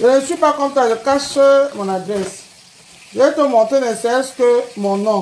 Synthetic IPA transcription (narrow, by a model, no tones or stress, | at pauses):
jeneswipakɔ̃talekaʃemɔ̃nadɾɛs | letomɔ̃tenesɛɛskemɔ̃nɔ̃